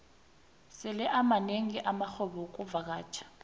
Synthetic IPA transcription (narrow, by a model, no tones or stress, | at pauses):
sɪlɛʔamaneŋiʔamaxɔɓɔk̬ʼubvak̬aːt͡ʃʰḁ